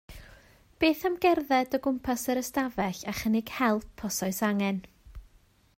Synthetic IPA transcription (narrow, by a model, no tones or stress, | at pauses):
b̥eːθamɡɛrðɛdəɡʊmpʰasəɾəstavɛɬaχənɪɡ̥hɛlˠpʰːɔsɔɨsaŋɛn